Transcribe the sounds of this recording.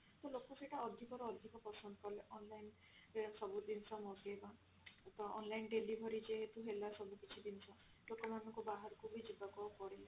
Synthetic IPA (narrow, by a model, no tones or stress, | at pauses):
t̪ɔlokɔseʈʰaɔd̪ʱikɔɾɔːd̪ʱikɔpɔsɔnd̪ɔkɔleʔɔnlajn | sɔbud̪insɔmɔt̪eeba | t̪ɔɔ̰nlajnɖelibʱɔɾid͡ʒeɦet̪uɦelasɔbʱukit͡ʃʰid̪insɔ | lokɔmanɔŋkubaɦaɾɔkubid͡ʒibakɔkɔɽela